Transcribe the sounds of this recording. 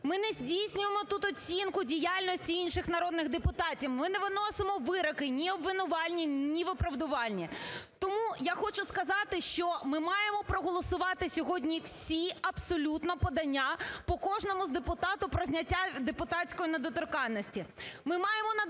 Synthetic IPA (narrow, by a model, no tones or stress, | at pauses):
mɪnɛzʲdʲijsʲnʲʊjemɔt̪ut̪ɔt͡sʲinkʊdʲijalʲnɔsʲtʲiinʃɪxnɐɾɔd̪nɪɣd̪epʊt̪ɑtʲiwmɪnɛʋɪnɔsemɔʋɪɾɔkɪnʲiɔbʋɪnʊʋɑlʲnʲinʲiʋɪpɾɐʋd̪ʊʋɑlʲnʲit̪ɔmujaxɔt͡ʃʊskɐzɑt̪ɪʃt͡ʃɔmɪmɑjemɔpɾɔɦɔlˠɔsʊʋɑt̪ɪsʲɔɦɔdʲnʲiwsʲiɐbsɔlʲut̪nɔpɔd̪ɐnʲːapɔkɔʒnɔmʊzd̪epʊt̪ɑt̪ʊpɾɔzʲnʲɐtʲːad̪epʊt̪ɑt͡sʲkɔjined̪ɔt̪ɔrkɑnnːɔsʲtʲimɪmɑjemɔnɐ